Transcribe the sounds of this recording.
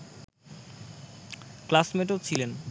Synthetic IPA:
klasmeʈot͡ɕʰilen

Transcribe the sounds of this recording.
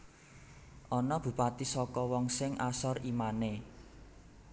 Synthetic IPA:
ʔɔnɔb̥ṳpat̪isɔkɔwɔŋsɪŋʔasɔrimane

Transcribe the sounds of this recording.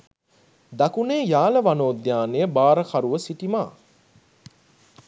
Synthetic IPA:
d̪akuneːjaːləʋanoːd̪jaːnejəbaːɾəkaɾuʋəsiʈimaː

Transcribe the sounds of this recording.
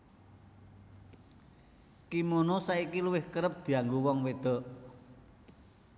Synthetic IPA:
kimonosaikiluwɪhkəɾəp̚d̪̥i̤aŋɡuwɔŋwed̪̥ɔ̤ʔ

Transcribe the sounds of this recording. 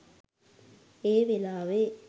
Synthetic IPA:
eːʋelaːʋe

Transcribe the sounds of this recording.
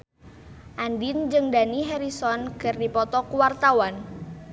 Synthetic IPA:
ʔandind͡ʒɨŋdaniɦɛɾisɔnkɨrdipɔt̪ɔkuwart̪awan

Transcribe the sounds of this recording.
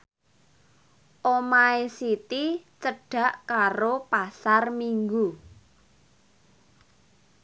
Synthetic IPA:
ʔomaesit̪it͡ʃəɖ̥a̤ʔkaɾopasarmiŋɡu

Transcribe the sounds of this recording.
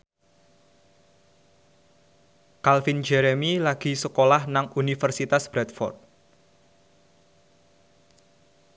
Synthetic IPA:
kalfind͡ʒɛɾemilaɡ̥i̤səkolahnaŋunifərsit̪asb̥ɾɛt̪̚fɔ̰rt̪̚

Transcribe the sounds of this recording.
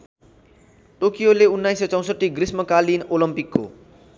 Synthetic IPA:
ʈokijoleunːajsːʌt͡sʌ̃w̃sʌʈːiɡɾismʌkalinolʌmpikːo̰

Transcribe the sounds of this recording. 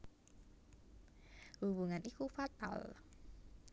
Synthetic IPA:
hubuŋanʔikufat̪a̰l

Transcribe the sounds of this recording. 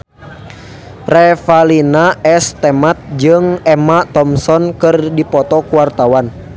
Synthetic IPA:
rɛfalinaɛst̪ɛmat̪̚d͡ʒɨŋɛmat̪ɔmsɔnkɨrdipɔt̪ɔkuwart̪awan

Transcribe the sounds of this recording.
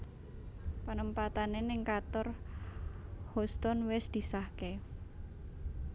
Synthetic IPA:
pənəmpat̪anenɪŋkat̪ɔr | hɔst̪ɔnwɪsd̪̥i̤sahke

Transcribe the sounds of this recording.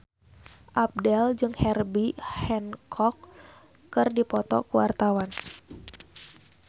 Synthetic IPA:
ʔap̚dɛld͡ʒɨŋhɛrbihɛnkʰɔkː | ɨrdipɔt̪ɔ̰kuwa̰rt̪awan

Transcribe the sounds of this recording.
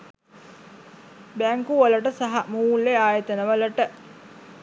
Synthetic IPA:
bæŋkuʋələʈəsaɦamuːlːeaːjət̪ənəʋələʈə

